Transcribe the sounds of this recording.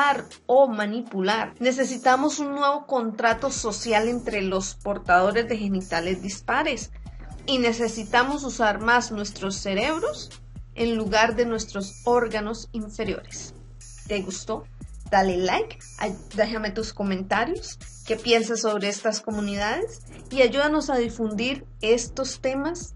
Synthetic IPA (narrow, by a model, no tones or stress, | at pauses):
aɾ | o̞manipulaɾne̞s̬e̞sit̪amo̞sunːwe̞βo̞ko̞nt̪ɾat̪o̞so̞sjale̞nt̪ɾe̞lo̞spo̞ɾt̪aðo̞ɾe̞zd̪e̞xe̞nit̪ale̞zd̪ispaɾe̞s | ine̞se̞sit̪amo̞s̬usaɾmaznwest̪ɾo̞sːe̞ɾe̞βɾo̞s | enluɣaɾd̪e̞nwe̞st̪ɾo̞so̞ɾɣano̞siɱfe̞ɾjo̞̰ɾes | t̪e̞ɣust̪o̞ | d̪̥alelajk | ad̪aʝame̞t̪usko̞mẽ̞nt̪aɾjo̞s | ke̞pje̞ns̬aso̞β̞ɾe̞est̪asko̞muniðaðe̞s | iaʝuðano̞saðifund̪iɾ | e̞st̪o̞st̪e̞mas